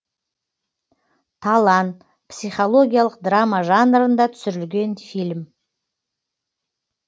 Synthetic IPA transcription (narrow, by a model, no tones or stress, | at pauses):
t̪ʰɑlˠɑnt̪ | psijχolˠo̞ɡʲijalˠəqd̪ramaʒanɾənd̪ɑt̪ʰʏ̥sɪɾɪlɡʲe̞nfilʲm